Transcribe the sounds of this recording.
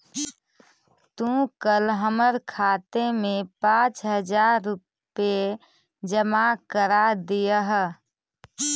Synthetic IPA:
t̪ũkəlɦəməɾkʰaːt̪emẽpãːt͡ʃɦəd͡ʒaːɾːʊ | pe | d͡ʒəmakəɾad̪ijəɦ

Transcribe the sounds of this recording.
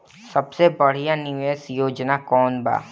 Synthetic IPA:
sɐbsebɐɽ̤ijanɪʋeːsjoːd͡ʒnakɔːnba̰ː

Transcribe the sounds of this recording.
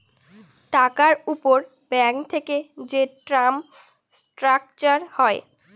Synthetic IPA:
ʈakaɾupoɾ | bɛŋt̪ʰeked͡ʑeʈɾam | sʈɾak̚t͡ɕaɾhɔe

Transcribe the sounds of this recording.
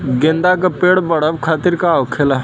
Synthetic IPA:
ɡɪ̃nd̪akapeːɽbɐɽəʋkʰaːt̪ɪɾkaʋkʰela

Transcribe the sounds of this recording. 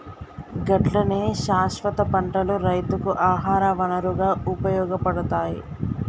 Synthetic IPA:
ɡɐʈlɐneːʃaːʃʋɐt̪ɐpɐɳʈɐluɾɐjt̪ukuʔaːɦaːɾɐʋɐnɐɾuɡaːupɐjɔːɡɐpɐɽut̪aːji

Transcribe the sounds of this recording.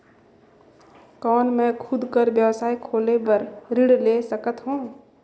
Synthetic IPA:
kɔːnmɛ̃ːkʰʊd̪ʱkəɾbjəwsaːikʰoːlebɐɾɾɪɽleːsəkət̪ɦũː

